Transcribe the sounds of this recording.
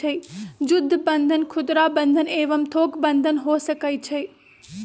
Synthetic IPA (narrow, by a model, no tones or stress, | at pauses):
ed͡ʒʊd̪ʱːbə̃nd̪ʱənkʰʊd̪ɾabə̃nd̪ʱəneːʋəmt̪ʰoːkbə̃nd̪ʱənɦoːsəkajt͡ʃʰe